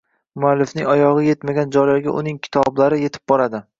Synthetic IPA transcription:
mʊalːɪfnɪŋɒjɒʁɨje̞t̪maɡʲand͡ʒɒjlaɾɡʲa̰ʔʊnɪŋkʲʰɪ̥t̪ʰɒblaɾɪje̞t̪ʰɪ̥p̚bɒɾad̪ɪ

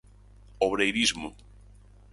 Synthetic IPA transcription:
oβɾejɾizmʊ

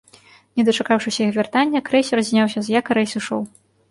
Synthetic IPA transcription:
nʲɛd̪ɐt͡ʂakawʂɨsʲɐixvʲart̪anʲːɐkɾɛjsʲɐɾazʲnʲawsʲɐzjakɐɾɛjsɨʂɔ̰w

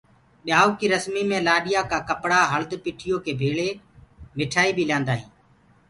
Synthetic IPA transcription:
ɓɪjaːuːkiːɾəsmiːmẽːlaːɗɪjaːkaːkəpɽaːɦəld̪piːʈʰɪjoːkʰeːbʱeːɭeː | mɪʈʰaːiːbiːljãːnd̪aːɦĩː

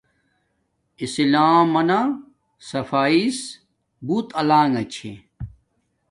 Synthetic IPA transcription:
isilaːmːɐna | sɐfaːis | buːt̪ɐlaːŋɐt͡ɕʰḛ

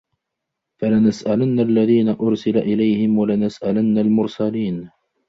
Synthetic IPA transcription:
falanasʔalanːaʔalːaðiːnaʔʊɾsɪlaʔɪlajhɪmwalɪnasʔalanːalmʊɾsaliːn

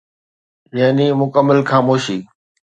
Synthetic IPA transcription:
jaːnimʊkəmːəlxaːmoːʃiː

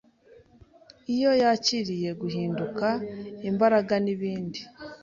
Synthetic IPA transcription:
ijo̞jaciɾije̞ɡuhiːndukaimbaɾaɡaniβiːndi

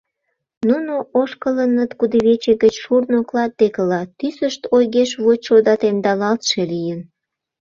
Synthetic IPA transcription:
nunoʔoʃkələnət̪kud̪eβet͡ɕeɡət͡ɕʃurnoklɑt̪̚d̪ekəlɑt̪ysəʃt̪ojɣeʃβot͡ɕʃod̪ɑt̪end̪ɑlɑlt̪ʃelijən

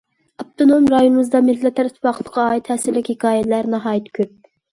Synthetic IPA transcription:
ɑp̚t̪ʰonomɾɑjonɨwɨzd̪ɑmɪt̪lɛt̪ʰːɛɾt̪ʰpwɑqʰə̥t̪ʰə̥qʰɑɑːit̪hɛsɪlɪkʲhekɑːjɛlæɾnɑɦɑːjit̪kʲʰøp̚

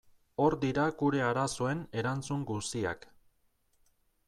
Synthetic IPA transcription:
o̞ɾd̪iɾaɡuɾe̞aɾasoe̞ne̞ɾant͡suŋɡust̪ia̰k

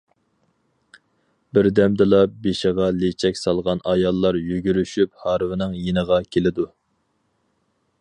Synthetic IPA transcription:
bɪɾd̪ɛmd̪ɨlˠɑbeʃɪʁɑlet͡ʃʰɛkʲsɑlˠʁɑnɑjɑlˠːɑɾjyɡʲyɾyʃyp̚hɑɾvɪnɨŋjenəʁɑkʲʰelɪd̪u

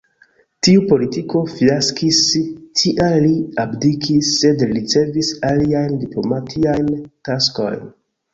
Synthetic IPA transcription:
tiupo̞litiko̞fiaskistʰiʔaliabdikʰisːe̞dlit͡se̞visaliajndiplo̞matʰiajntasko̞̰jn

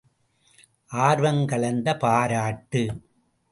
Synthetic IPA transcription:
ʔaːɾʋɐŋkɐɭɐnd̪ɐpaːɾaːʈːɯ

